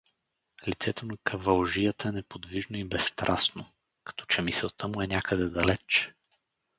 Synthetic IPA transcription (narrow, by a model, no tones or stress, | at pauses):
lit̪sɛt̪onɐkʰɐvɐlˠʒijət̪əɛnɛpod̪viʒnoibɛsːt̪ɾʔasno | kɐ̥t̪ɔ̥t͡ʃɛmisɛlˠt̪əmʊɛnʲakəd̪ɛd̪ɐlɛt͡ʃ